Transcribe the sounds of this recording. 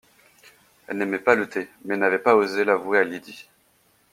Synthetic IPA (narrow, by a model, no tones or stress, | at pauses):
ɛlnɛmɛpalət̪ʰemɛnavɛpaozelavwealid̪i